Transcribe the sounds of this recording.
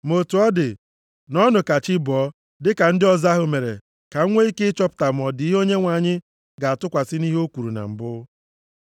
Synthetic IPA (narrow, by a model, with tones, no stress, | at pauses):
mo˨tu˨ɔ˦dɪ˨ | nɔ˦nʊ˨ka˨t͡ʃɪ˦bɔ˨˦ | dɪ˦ka˨n̩˦dɪ˦ɔ˨za˦ɦʊ˨me˨ɾḛ˨ | ka˨˦ŋʷe˦i˦ke˦ɪ˦t͡ʃɔ˦pʊ̥˨ta˨m̩˨ɔ˨dɪ˨i˦ɦo˦ɲe˦ŋʷa˨ɲɪ˦ | ɡa˨a˨tʊ˦kʷa˨sɪ˦ni˦ɦo˦kʷu˨ɾu˨na̰˨m̩˨bʊ˦